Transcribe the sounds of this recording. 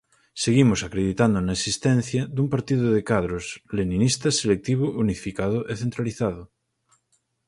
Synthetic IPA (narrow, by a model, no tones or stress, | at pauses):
seɣimosakɾeðit̪and̪onaesist̪ɛn̟θjaðumpaɾt̪iðoðekaðɾoslenĩnist̪aselek̚t̪iβoʔunifikað̞oʔeθent̪ɾaliθað̞o